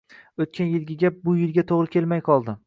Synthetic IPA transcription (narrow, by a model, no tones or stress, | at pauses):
ɵt̪̚kʲʰanjɪlɡʲɪɡʲap̚bʊjɪlɡʲat̪ʰoʁɾɪkʲʰe̞lmajqʰɒlˠd̪ɪ